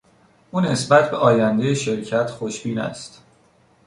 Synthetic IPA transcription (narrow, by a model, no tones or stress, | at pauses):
ʔuːne̞sbæt̪ʰbe̞ʔɒːjænd̪e̞jeʃe̞ɾcʰæt̪ʰxoʃbiːnæ̰st̪